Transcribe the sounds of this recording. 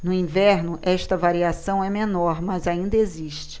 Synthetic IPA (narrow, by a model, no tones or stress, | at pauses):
nʊĩvɛɾnʊʔɛʃt̪ɐvaɾiasɐ̃w̃ɛmẽnɔɾmɐzaĩnd̪ɐeziʃt͡ʃɪ̥